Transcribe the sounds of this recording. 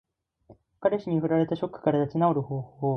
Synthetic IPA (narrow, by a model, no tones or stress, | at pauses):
kaɾe̞ɕiɲ̟iɸɯ̟ɾaɾe̞t̪aɕo̞kːɯ̟̥kaɾad̪at͡ɕinao̞ɾɯ̟ho̞ːhoː